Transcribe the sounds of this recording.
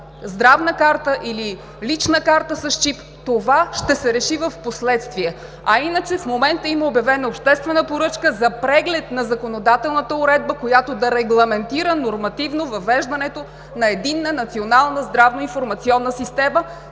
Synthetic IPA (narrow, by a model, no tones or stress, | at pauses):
zd̪ɾavnəkaɾt̪əʔili | lit͡ʃnəkaɾt̪əsɐʃt͡ʃip | t̪ovaʃt̪ɛsɛɾɛʃivəfposlɛt̪st̪viɛ | ɐinət͡ʃɛfmomɛnt̪əiməobjɐvɛnəopʃt̪ɛst̪vɛnəpoɾɤt͡ʃkəzɐpɾɛɡlɛt̪nɐzɐkonod̪at̪ɛlˠnət̪əʊɾɛd̪̚bəkojat̪od̪ɐɾɛɡlˠɐmɛnt̪iɾənoɾmɐt̪ivnovɐvɛʒd̪ɐnɛt̪o | nɐɛd̪inːənɐt̪sionalˠnəzd̪ɾavnoinfoɾmɐt̪siɔnːəsist̪ɛmə